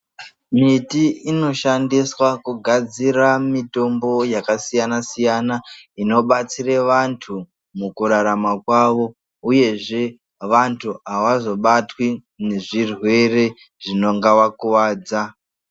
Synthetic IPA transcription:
mitiino̞ʃandiswakuɡʱad͡ziramito̞mbo̞jakasijanasijanaino̞ɓat͡sireʋantʰu | mukuɾaɾamakwaʋo̞ | uje̞ʐe̞ | ʋantʰuaʋazo̞ɓatwi | ne̞ʐirwe̞re̞ | ʐino̞ŋɡaʋakuʋaːd͡za

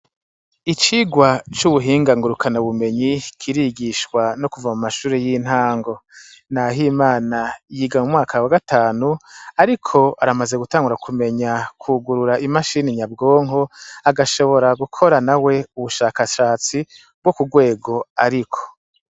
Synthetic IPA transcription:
it͡ʃiːɡwat͡ʃuβuɦiːŋɡaŋɡuɾukʰanaβume̞ɲikʰiɾiɡiʃkwanokuvamumaʃuːɾejin̥haːŋɡo̞ | naɦimaːnajiːɡamumŋaːkʰawaɡataːnuaɾikʰo̞aɾamaze̞ɡutaːŋɡuɾakʰume̞ɲakʰuɡuɾuɾaʔimaʃiːniɲab̚ɡo̞ːŋɦo̞aɡaʃo̞βo̞ɾaɡukʰo̞ɾanawe̞uβuʃaːkaʃaːt͡si | b̚ɡokuɡwe̞ːɡo̞aɾikʰo̥

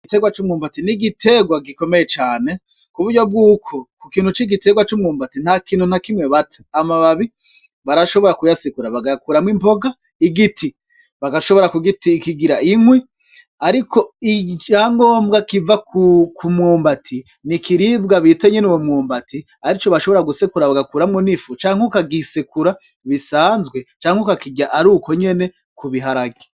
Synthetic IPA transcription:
iɡite̞ɡwat͡ʃuːmŋuːmbatiniɡitʰe̞ɡwaɡiko̞mejet͡ʃaːne̞ | kuβuɾɟo̞b̚ɡuːkʰo̞kukiːnhut͡ʃiɡite̞ɡwat͡ʃumŋuːmbatin̥hakiːnhun̥akimŋwe̞βatʰe̥amaβaβi | βaɾaʃo̞βo̞ɾakujasikuɾaβaɡajkuɾamwimbo̞ɡa | iɡitʰi | βaɡaʃo̞βoɾakuɡitikiɡiɾaʔiŋwi | aɾikʰo̞it͡ʃaːŋɡoːmbɡakivakukumŋoːmbatʰi | nikiɾibɡaβiteɲe̞nuwomŋoːmbatʰi | aɾit͡ʃo̞βaʃo̞βoɾaɡusekuɾaβaɡakuːɾamŋunifut͡ʃaːŋhukaɡisekuɾa | βisaːnzɡwe̞t͡ʃaːŋ̥ukakiɟaʔaɾuko̞ɲe̞ne̞ | kuβiɦaɾaɡe̥

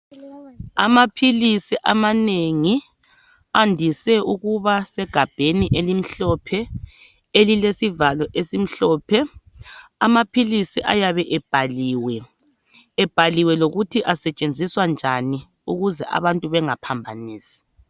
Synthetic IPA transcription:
a̰mapʰilisiʔamaneŋi | andʱisɛuɣuβasɛɡ̥ʱab̥ʱeniʔelim̩ɬɔpʰɛ | elilesivalɔʔesim̩ɬɔːpʰɛ | amapʰilisiʔa̰jaβɛʔɛb̥ʱaliːwɛː | b̥ʱaliwɛloɣutʰiʔasɛt͡ʃʼend͡zʱiswand͡ʒʱani | uɣuzɛ̰ʔa̰βantʼuβɛŋapʰambʱaniːsi̥

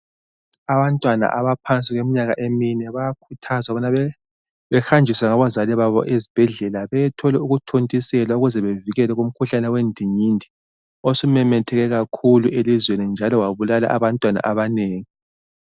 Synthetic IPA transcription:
aβantʼwana̰ʔaβapʰant͡sʼiɣwemiɲaɣa̰ʔeminɛβajakʰutʰazaβɔna | βɛxand͡ʒʱiswaŋaβazaliβaβɔ̰ʔezi̥b̥ʱɛɮɛlaβɛjɛtʰɔlɛuɣutʰontʼisɛlauɣuzɛβeviɣɛlɛɣum̩kʰuɬanɛwendʱiɲindʱi | osumɛmɛtʰɛɣɛɣakʰuluʔelizwenind͡ʒʱalɔwaβulala̰ʔaβantʼwana̰ʔaβaneːŋi

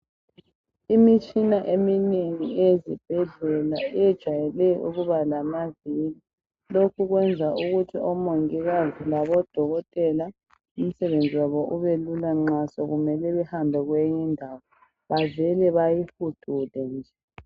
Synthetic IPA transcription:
imit͡ʃʼinaʔemineŋiezḭb̥ʱɛɮɛlaɛjɛd̥ʒ̥ʱwajɛlɛʔṵɣuβalamavili | lokʰuɣwɛnd͡zʱaʔuɣutʰiʔɔmoŋiɣazilaβɔd̥ʱɔɣɔtʼɛla | um̩sɛβend͡zʱiwaβɔʔuβelulaŋ͡ǃasɔɣumɛlɛβɛhambʱɛɣwejindʱawɔ | βavɛlɛβajihud̥ʱulɛnd͡ʒʱɛ

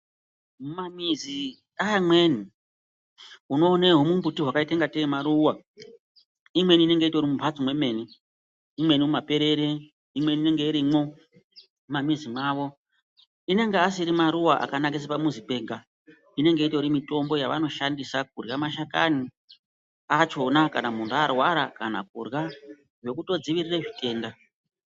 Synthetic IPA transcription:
mumamizi | amwe̞ni | uno̞ːneɦumumbutiɦwakaite̞ŋɡatemaɾuwa | imwe̞niːne̞ŋɡe̞itoɾimupat͡somwe̞me̞ːniː | mwe̞nimumape̞ɾe̞ɾe | imwe̞nine̞ŋɡe̞iɾimo | umamizimaːʋo̞ | ine̞ŋɡeas̬iɾimaɾuwaʔa̰kanak̬es̬epamuzipe̞ːŋɡa | ine̞ŋɡe̞ito̞ɾimito̞mbo̞jaʋano̞ʃandisak̚urɣamaʃakani | at͡ʃo̞nakanamunduarwaɾakana̰k̚ṵrɣa | ʐe̞kuto̞d͡ziʋirireʐite̞ːnda

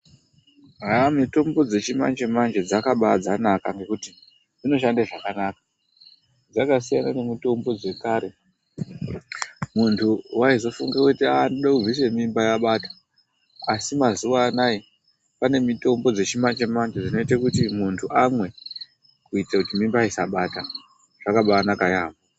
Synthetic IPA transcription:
ramito̞mbo̞d͡ze̞t͡ʃima̰nt͡ʃe̞mand͡ʒed͡zakaɓad͡zanakaŋɡe̞kuti | d͡zino̞ʃ̬andaʐakanakḁ | d͡zakasijanane̞mito̞mbo̞d͡ze̞kaːɾe̞ | muntʰuwaizo̞fuŋɡakutiaːndoɗakud͡zise̞mimbajaɓatḁ | asimazuʋaːnaje | pane̞mito̞mbo̞d͡ze̞t͡ʃimant͡ʃemand͡ʒeʐino̞itakutimuntʰuʔamwe̞ | kuitakutimimbaisaɓata | ʐ̥akaɓaːnakajaːmbo

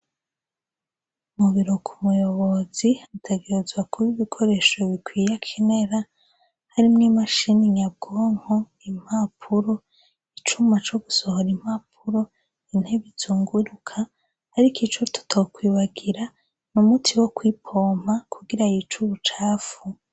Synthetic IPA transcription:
umuβiɾo̞kʰumujo̞βo̞zihitʰe̞ɡe̞ɾezwakuβiβikʰo̞ɾe̞ʃo̞βikwijakʰene̞ɾa | haɾimŋimaʃiniɲab̚ɡoːŋ̥ho | im̥hapʰuɾo̞ | it͡ʃumat͡ʃo̞ɡuso̞hoɾim̥ap̚ʰuɾo̞ | in̥heβituːŋɡuɾukʰa | hːɾikit͡ʃutʰu̥tʰakwiːβaɡiɾa | numutʰiwo̞kwiːpʰo̞ːm̥akʰuɡiɾajit͡ʃuβut͡ʃaːfu

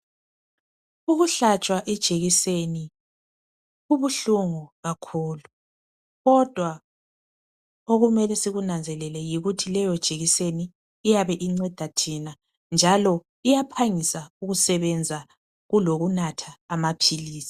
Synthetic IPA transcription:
uɣuɬat͡ʃʼwaʔɛd̥ʒ̥ʱeɣiseni | ɣuβuɬuŋuɣakʰuːlu | ɣɔd̥ʱwa | oɣumɛlɛsiɣunand͡zʱɛlɛlɛjiɣutʰilɛjɔd̥ʒ̥ʱeɣiseniː | jaβɛʔiŋ͡ǀɛd̥ʱatʰina | nd͡ʒʱalɔ | ijapʰaŋisauɣusɛβɛnd͡zʱa | ɣuloɣunatʰaːmapʰiliːsi̥

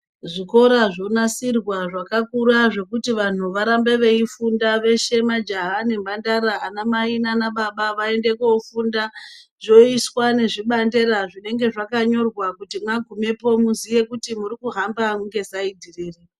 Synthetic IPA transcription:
ʐiko̞ɾaʐonasirwaʐakakuɾaʐe̞kutiʋan̤uʋaɾambe̞ʋe̞ifundaʋe̞ʃe̞mad͡ʒaɦane̞mbandaɾaːnamainanaɓaɓaʋae̞nde̞koufundaʐo̞iswane̞ʐiɓande̞ɾaʐine̞ŋɡe̞ʐakaɲo̞rwakutimwaɡʱume̞po̞muzije̞kutimurikuɦambamuŋɡe̞saidʱiriːri

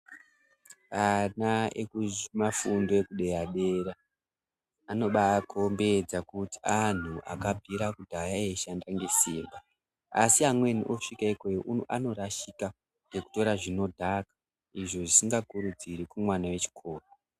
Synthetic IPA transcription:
anaḛkumafundo̞ekuɗe̞jaɗeɾa | no̞ɓaːkʰo̞mbe̞d͡zakuti̥an̤uʔa̰kabʱiɾakudʱajaeʃandaŋɡesiːmba | asiamwe̞niʔo̞ʂikaekojoʔuano̞ɾaʃika | ɡe̞ku̥to̞ɾaʐino̞dʱakḁ | iʐo̞ʐisiŋɡakuɾud͡ziɾikumwanawe̞t͡ʃi̥kʰo̞ːro

